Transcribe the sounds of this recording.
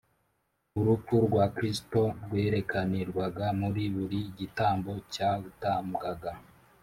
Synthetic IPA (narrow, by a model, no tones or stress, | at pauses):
uɾukuɾɡwakɾisto̞ɾɡwe̞ːɾe̞kaniɾɡwaɡamuɾiβuɾiɟitaːmbo̞caβutaːmɡaɡa